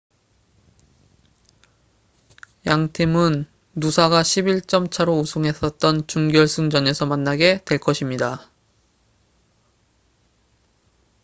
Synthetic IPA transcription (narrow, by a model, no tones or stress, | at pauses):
jaŋtʰimɯnː | usʰaɡaɕʰibiɭt͡ɕ͈ʌmt͡ɕʰaɾousʰoŋɦe̞s͈ʌt̚t͈ʌnt͡ɕuŋɡjʌɭs͈ʰɯŋd͡ʑʌne̞sʰʌmanːaɡetwe̞ɭk͈ʌɕʰimɲida